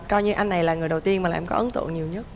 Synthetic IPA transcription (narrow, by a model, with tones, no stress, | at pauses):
kɔ˧jɲɨ˧ʔa˧jŋ̟ːa˨˩jlaː˨˩ŋɨ˨˩jɗə˨˩wt̪i˧ənma̰ː˨˩˨ŋkɔ̰˨˦ʔə˨˦nt̪ɨ̰˧˨ŋɲi˨˩əwɲə˦˥t̚